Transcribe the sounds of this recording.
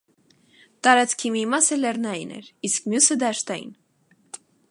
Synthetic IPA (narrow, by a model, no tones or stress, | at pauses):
t̪ɑɾɑt͡skʰimimɑsəlɛɾnɑjḭnɛ̰ɾiskmjusəd̪ɑʃt̪ɑjḭn